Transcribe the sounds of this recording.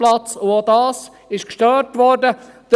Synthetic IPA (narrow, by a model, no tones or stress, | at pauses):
lɑt͡sʊoːdɑːs | ɪʃkʃtœɾtʋɔɾdəd̥